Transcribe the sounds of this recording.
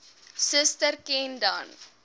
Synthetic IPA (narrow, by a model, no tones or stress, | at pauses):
səstəɾkenda̰n